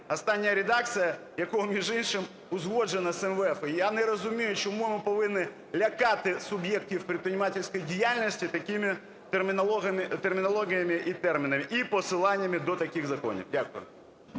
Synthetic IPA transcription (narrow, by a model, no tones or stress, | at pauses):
ɐst̪ɑnʲːɐjɐɾʲed̪ɑk̚t͡sʲijɐ | jɐkɔɦɔmʲiʒinʃɪm | ʊzɦɔd͡ʒenɐsɛmʋɛfɪjanɛɾɔzʊmʲijʊt͡ʃɔmumɪpɔʋɪnːɪ | lʲɐkɑt̪ɪsʊbjek̚tʲiwpɾʲit̪̚pɾʲɪnʲɪmɑtʲɪlʲsʲkɔjidʲijalʲnʲɔsʲtʲit̪ɐkʲɪmɪ | t̪emʲɪɔmt̪ermʲɪnɔlˠɔɦʲijɐmɪʔit̪ɛrmʲɪnɐmɪʔipɔsɪlˠɑnʲːɐmɪd̪ɔt̪ɐkʲɪxzɐkɔ̰nʲḭwdʲakʊjʊ̰